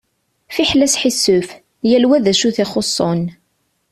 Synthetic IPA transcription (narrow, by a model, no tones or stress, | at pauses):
fiħlæsħisːʊf | jælwæðæʃuθɪχʊsˤːon